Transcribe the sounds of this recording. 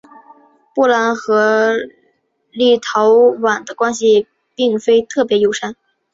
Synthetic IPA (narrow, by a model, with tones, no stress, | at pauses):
pu˥˩la˧˥nxɤ˧˥ | li˥˩t̪ʰɑ˧˥ʊwa˨˩nd̪ə˦kwa˥nɕ̬i˨ | pi˥˩ŋfe˥ɪt̪ʰɤ˥˩pjɛ˧˥jo˧˥ʊʂa˥n